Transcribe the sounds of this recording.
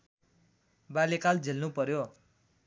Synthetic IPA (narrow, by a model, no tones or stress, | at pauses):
balekald͡zʱelnupʌɾjo